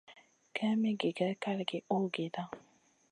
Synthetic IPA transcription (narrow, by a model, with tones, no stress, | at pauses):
ka˦me˦ɡe˨ɡa˦ka˦lɡɪ˨o˦ɡe˨da˦